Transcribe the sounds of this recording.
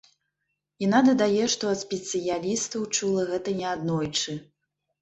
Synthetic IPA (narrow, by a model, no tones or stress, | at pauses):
janad̪ɐd̪ajɛʂt̪ɔɐt̪sʲpʲɛt̪sɨjalʲist̪ɐwt͡ʂulˠɐɣɛt̪ɐnʲɛad̪nɔjt͡ʂɨ